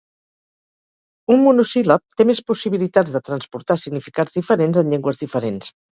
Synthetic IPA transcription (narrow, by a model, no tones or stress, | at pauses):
ummunusiləp̚t̪emespusiβilit̪add͡zðət̪ɾənspuɾt̪asiɡnifikad͡zðifəɾenzənʎɛŋɡwəzðifəɾens